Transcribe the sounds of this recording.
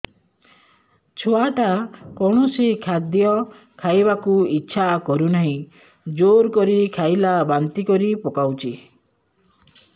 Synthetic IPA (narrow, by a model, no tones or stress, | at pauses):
t͡ʃʰoaʈakɔɽ̃ɔsikʰad̪jɔ | kʰajbakuitːʃʰakɔɾunaɦĩ | d͡ʒoɾkɔɾikʰajlabant̪ikɔɾipokawt͡ʃʰi